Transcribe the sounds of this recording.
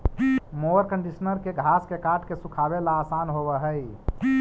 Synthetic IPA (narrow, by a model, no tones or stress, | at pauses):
moɾkəɳɖisnəɾkeɡʱaskekaʈkesũkʰabelaːsanɦoβəɦəj